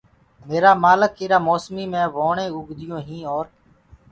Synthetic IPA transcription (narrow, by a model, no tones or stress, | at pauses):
meːɾaːmaːləkiːɾaːmoːsmiːmẽːʋoːɳẽːʊɡd̪ɪjõːɦĩːoːɾ